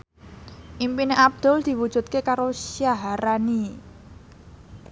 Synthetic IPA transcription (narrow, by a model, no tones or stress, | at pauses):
ʔimpineʔab̚d̪̥ʊ̤ld̪̥i̤wud̥ʒ̥ṳt̪̚kekaɾoʃjaɦaɾani